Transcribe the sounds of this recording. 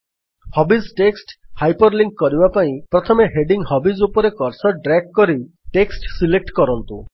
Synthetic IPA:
hɔbisʈeksʈhajpɔɾliŋkkɔɾibapaĩpɾɔt̪ʰɔmeɦeɖiŋhɔbizupɔɾekɔɾsɔɖɾɛk̚kɔɾi | ʈeksʈsilek̚ʈkɔɾɔnt̪u

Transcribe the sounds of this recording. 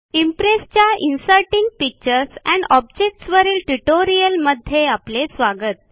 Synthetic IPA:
impɾest͡ɕjaʔinsəɾʈiŋɡ̚pik̚t͡ɕəɾsɛ̰̃ɳɔb̚d͡ʑek̚ʈsʋəɾiːlʈuʈoɾijəlməd̪ʱːjeaplesʋaɡət̪̚

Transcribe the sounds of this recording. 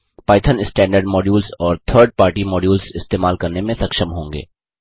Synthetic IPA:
paːɪt̪ʰənɪsʈɛ̃ːɳɖəɾɖmɔːɖjuːlsɔːɾt̪ʰəːɾɖ̚paːɾʈimɔːɖjuːlzɪst̪eːmaːlkɐɾnemẽsɐkʃəmɦõːŋɡḛː

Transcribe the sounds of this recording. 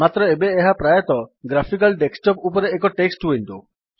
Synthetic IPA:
mat̪ɾɔebeːɦapɾajɔt̪ɔɡɾapʰik̬alɖeksʈɔpupɔɾeːkɔʈeksʈuent̪u

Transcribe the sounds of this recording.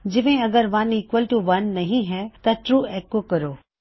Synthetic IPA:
d͡ʑɪʋẽɐɡəɾʋɐniːkʋəlʈuʋɐnːɐɦĩɦɛːt̪ɐʈɾuːɛːkokɐɾoː

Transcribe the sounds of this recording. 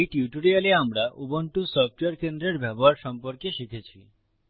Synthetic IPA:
ejʈiʈoɾialeamɾaʔubonʈusɔfʈoeaɾkend̪ɾeɾbʱɛboɦaɾʃɔmpoɾkeʃikʰet͡ɕʰi

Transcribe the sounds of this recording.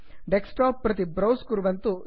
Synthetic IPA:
ɖeksʈaːpːɾɐt̪̬ibɾɐwskuɾuʋɐnt̪u

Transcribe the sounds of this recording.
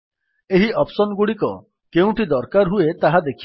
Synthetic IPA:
eɦiʔɔpsɔnɡuɽikɔ̰ | keũʈid̪ɔɾkaɾɦuet̪aɦad̪ekʰi

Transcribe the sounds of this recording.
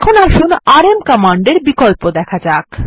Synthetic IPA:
kʰonaɾʃunaɾemkamaɳɖeɾbikolpod̪ɛkʰad͡ʑak

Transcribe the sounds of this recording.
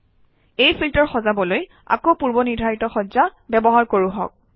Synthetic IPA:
ejpʰiltɔɹxɔzabɔloj | a̰kowpuɹbɔnidʱaitɔxɔzabɛbɔɦaɹkoɹuɦɔ̰k̚

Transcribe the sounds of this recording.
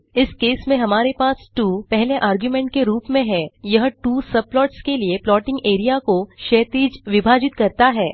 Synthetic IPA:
ɪskeːsmẽɦɐmaːɾepaːsʈuːpɛɦleʔaːɾɡjumẽːɳʈ̚keɾuːpmẽɦɛːjɐɦʈuːsɐb̚plɔːʈskelieplɔːʈɪ̃ŋɡeːɾijakoʃeːt̪iːd͡ʒʋɪbʱaːd͡ʒɪt̪kɐɾt̪aɦɛː

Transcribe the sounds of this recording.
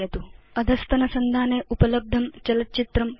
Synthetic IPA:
ɐt̪uɐd̪ʱɐst̪ɐnɐsɐnd̪ʱaːneːʔupɐlɐb̚d̪ʱɐmt͡ʃɐlɐt̪ːt͡ʃit̪ɾɐm

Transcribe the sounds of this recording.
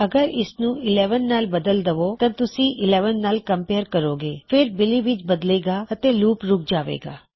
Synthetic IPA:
ɐɡəɾɪsnũːɪlɛːʋənːaːlbəd̪əld̪əʋot̪ɐt̪ʊsĩʔɪleːʋənːaːlkə̃mpeːɾkəɾoːɡeːfʰɪɾbɪliʋɪt͡ʃbəd̪leːɡaət̪eluːpɾʊk̚ʰd͡ʒaːʋḛːɡa̰ː

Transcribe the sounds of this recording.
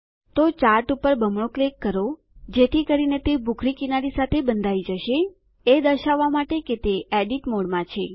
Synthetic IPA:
t̪ot͡ʃaɾʈupəɾbəmɭoklekːəɾo | d͡ʒet̪ʰikəɾinet̪ebʱukʰɾikinaɾisat̪ʰebənd̪ʱaid͡ʒəʃe | ed̪əʃaʋːamaʈeket̪eʔɛɖiʈmoɽmãt͡ʃʰe

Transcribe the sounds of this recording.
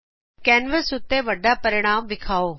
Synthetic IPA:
kɛːnʋəsʊt̪ːeʋɐɖapɐɾɪɽ̃aːmʋɪkʰaːoː

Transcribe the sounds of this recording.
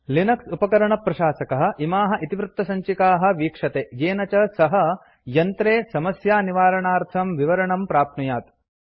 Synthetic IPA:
linɐksupɐkɐɾɐɳɐpɾɐʃaːsɐkɐɦɐ̆ʔimaːɦɐ̆ʔit̪iʋɾɪt̪ːɐsɐɲt͡ʃikaːɦɐ̆ʋiːkʂɐt̪eːjeːnɐt͡ʃɐsɐɦɐ | jɐnt̪ɾeːsɐmɐsjaːniʋaːɾɐɳaːɾt̪ʰɐmʋiʋɐɾɐɳɐmpɾaːp̚nujaːt̪

